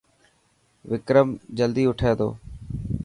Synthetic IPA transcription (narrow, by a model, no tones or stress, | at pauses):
ʋɪkɾəmd͡ʒəld̪iːʊʈʰeːd̪o̰ː